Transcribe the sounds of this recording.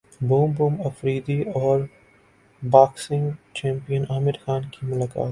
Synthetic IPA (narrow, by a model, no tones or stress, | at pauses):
buːmbũːmɐfɾiːd̪iɔːɾ | baːksɪ̃ŋɡt͡ʃɛ̃ːmpijənaːmɪɾxaːnkimʊlaːka̰ːt̪